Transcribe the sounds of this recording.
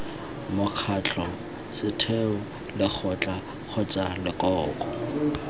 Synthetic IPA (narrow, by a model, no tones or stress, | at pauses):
mʊkʰat͡ɬʰʼɔ | sɪtʰeʊ | lɪk͡xʰɔt͡ɬʼa | k͡xʰʊt͡sʼalɪkʼɔːkʼɔ